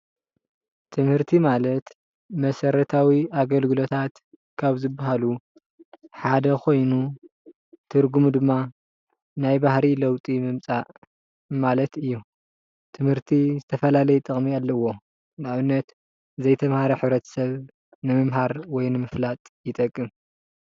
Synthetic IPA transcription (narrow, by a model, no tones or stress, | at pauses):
t̪ʰɨmhɨɾt̪ʰimalɐt̪ | mɐsɐɾɐt̪ʰawiaɡɐlɡɨlo̞t̪ʰat̪ | kʰaβzɨbːaɦalu | ħad̪ɐkʰo̞jnu | t̪ʰɨɾɡumud̪ɨmːa | najbahɾilɐwt̪ʼimɨmt͡sʼaʔ | malɐt̪ɨjːu | t̪ʰɨmhɨɾt̪ʰizɨt̪ʰɐfɐlalɐjɛt̪ʼɨχʼmialːɐwːo̞ | nɨaβɨnːɐt̪ | zɐjt̪ʰɐmhaɾɐħɨβɾɐt̪ʰɐ̥sɐβ | nɨmɨmɦaɾwɔjnɨmɨflat̪ʼjɪt̪ʼɐkʼːɨm